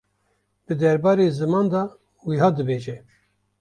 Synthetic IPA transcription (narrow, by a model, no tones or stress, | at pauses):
b̥ɨd̪ɛɾbɑːɾeːzɨmɑːnd̪ɑ | wiɦɑːd̪ɨbeːʒɛ